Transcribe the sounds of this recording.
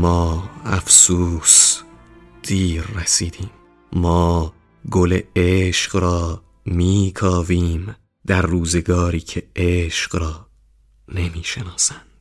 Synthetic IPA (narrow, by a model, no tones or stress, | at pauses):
mɒːæfsus | d̪̥iːɾːæsiːd̪iːm | mɒː | ɡoleeʃqɾɒː | miːkʰɒːviːm | d̪̥æɾːuːzeɡɒːɾiːcʰeeʃqɾɒː | ne̞miːʃe̞nɒːsænd̪̥